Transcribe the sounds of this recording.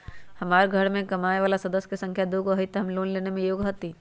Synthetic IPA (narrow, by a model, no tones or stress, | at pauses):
hɐmaːɾɡʱɐɽmẽkɐmaːeʋaːlasɐd̪əsːkesɐ̃ŋkʰjad̪oɡoɦit̪ɦɐmloːnleːnemẽjoːɡɦot̪i